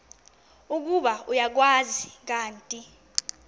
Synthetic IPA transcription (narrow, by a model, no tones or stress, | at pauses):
uk̬uɓaujak̬wazik̬aːntʼi